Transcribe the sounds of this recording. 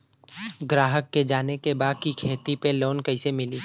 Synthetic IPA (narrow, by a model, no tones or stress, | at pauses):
ɡɾaːɦəkːed͡ʒaːnekebaːd̪̚kikʰeːt̪ipeloːnkɐɪsemɪliː